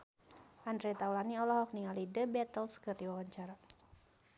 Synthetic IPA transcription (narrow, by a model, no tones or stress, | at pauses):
ʔandɾet̪aulaniɔlɔɦɔk̚niŋalidəbɛt̪əlskərd̪iwawaɲt͡ʃaɾa